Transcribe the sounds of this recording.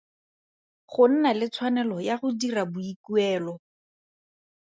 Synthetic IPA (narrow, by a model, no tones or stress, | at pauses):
χʊn̩nalɪt͡sʰwanɛlɔjaχʊdirabʊikuɛːlɔ